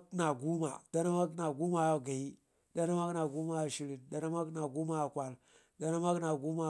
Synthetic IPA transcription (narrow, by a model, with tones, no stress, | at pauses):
na˨ɡu˦ma̰˨d̥a˦na˦ma˦kna˨ɡu˦ma˦˨ɡa˨i˦ | da˦na˦ma˦kna˨ɡu˦ma˦˨ʃi˦ɾi˨nda˦na˦ma˦kna˨ɡu˦ma˦a˨kʷa˦˨l | da˦na˦ma˦kna˨ɡu˦ma˦